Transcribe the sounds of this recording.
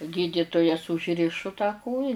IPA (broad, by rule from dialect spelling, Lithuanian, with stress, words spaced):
ˈɡʲiːdʲɪtʊjɛs ʊʒʲˈrʲɪʃʊ tɑː ˈkoːjɛ